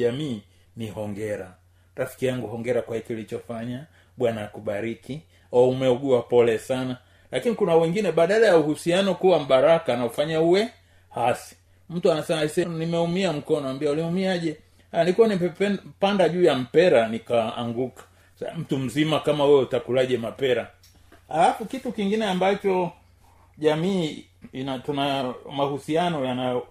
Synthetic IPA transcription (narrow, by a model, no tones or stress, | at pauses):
amiː | nihɔŋɡɛɾa | ɾafi̥kijaŋɡuɦɔŋɡɛɾakwahikilit͡ʃɔfaɲa | ɓwanaːkuɓaɾiki | aumɛuɡuapɔlɛsana | lakinikunawɛŋɡinɛɓaɗalajauhusianɔkuwam̩ɓaɾakanaufaɲauwɛ | hasi̥ | m̩tuanasɛmaisɛnimɛumiam̩kɔnɔambiauliumiaʄɛ | alikuwaniɛpandaʄuːjam̩pɛɾanikaa̰ŋɡukḁ | m̩tum̩zimakamahuwɛutakulaʄɛmapɛɾa | alafukitukiŋɡinɛambat͡ʃɔ | ʄamiː | inatunamahusianɔjanaɔ